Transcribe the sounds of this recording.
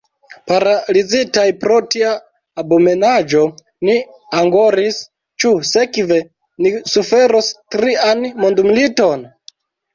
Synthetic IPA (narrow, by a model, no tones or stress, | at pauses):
paɾalizitajpɾo̞tiaː | bome̞nad͡ʒo̞ | ni | aŋɡoɾis | t͡ʃuse̞kve̞ | nisufe̞ɾostɾianmondumilito̞n